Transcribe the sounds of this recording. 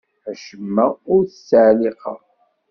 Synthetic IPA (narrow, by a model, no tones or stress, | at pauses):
æʃəmːæʊɾθəsaʕlɪqɑ̰